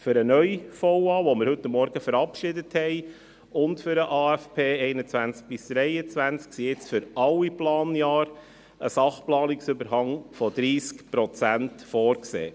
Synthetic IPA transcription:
fʏɾənœjfɔwɑːʋoməɾhɵt̪ːəmːɔɾɡ̥əfəɾɑpʃɪdəthɛɪ | ʊntfʏɾəʔɑːæfpʰeːɛɪnət͡sʋænt͡sk̚b̥ɪsd̪̥ɾɛjət͡sʋænt͡sksiɪt͡sfʏɾɑliplɑːnjɑːɾ | əsɑχplɑːnɪksʏbəɾhɑŋfɔd̪ɾiːskpɾɔt͡sæntfɔːɾksḛː

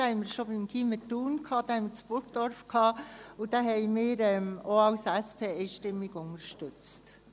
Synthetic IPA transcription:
hɛɪmɪɾʃobɪmkʰimətuːnkʰɑːd̥ɑːhɛmət͡sb̥ʊɾɡd̥ɔɾfkʰhɑːʊd̥aɦɛɪmɪːɾɛmoɑʊsɛspʰeːeɪʃtɪmɪɡʊnəɾʃtʏt͡st

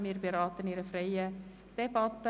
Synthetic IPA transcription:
miːrbiɾɑːt̪əniːɾəfrɛjə | tɛpɑt̪ːə

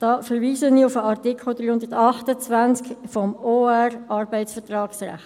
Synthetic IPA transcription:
d̥ɑːfəɾʋiːsəniʊfəɑʁtikʰl̩dɾiːhʊndətɑχtət͡svænt͡skfɔmoːɛrʔɑrbæɪtsfəʁtrɑːksra̰χt

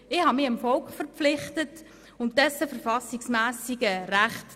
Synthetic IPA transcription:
ɪhɑmɪəmfɔlkχfəɾpp͡flɪχtət | ʊnt̚d̥ɛsəfəɾfɑsɪksmæːsɪɡəɾæχt

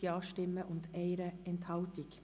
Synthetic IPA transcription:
əɑːʃʈɛməʔʊnt̪eɪɾəɛnt̪ʰɑʊt̪ɪk

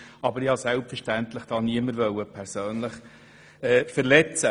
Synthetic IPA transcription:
ʔɑbəɾihɑsɛlpfəɾʃtænt̪ləχd̥ɑːniəməɾvœwəpʰɛɾsøːnləχ | ɛːfəɾlɛt͡sə

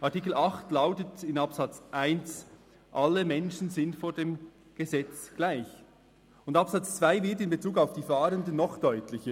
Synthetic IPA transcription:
ʔɑɐtiːk̬l̩ɑχtlaʊtətɪnɑpsɑt͡sʔaɪns | ʔɑlːəmɛnʃn̩zɪntfoːɐdeːm | ɡ̥əzɛt͡sɡ̥laɪç | ʊndɑpsɑt͡st͡sv̥aɪvɪɐtɪnbet͡suːkaʊfd̥iːfaːɾəndənːɔχd̥ɔʏtlɪçə

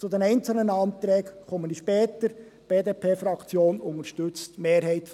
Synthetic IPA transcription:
t͡sud̪ɛnɛɪnt͡sl̩nənɑːnt̪ɾɛːkkʰɔməndiʃpɛːt̪əɾ | b̥eːdeːpʰeːfɾɑkt͡sjoːnʊŋəɾʃtʏt͡stmeːɾɦɛɪt̪

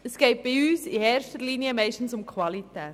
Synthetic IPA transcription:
əsɡ̥eɪt̚b̥ɪyːsieːɾʃtəɾliniəmɛɪʃtn̩sʊmkʰwɑlit̪ɛː

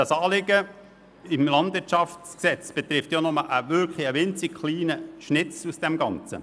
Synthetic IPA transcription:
d̥ɑsɑːlɪɡə | ɪmlɑndʋɪɾtt͡ʃɑftsksɛt͡sb̥ɛt̪ɾɪftjɔnʊməʔəʋʏɾkχliəʋɪnt͡sɪɡ̥χliːnəʃnɪt͡susd̥ɛmɡɑnt͡sə̰

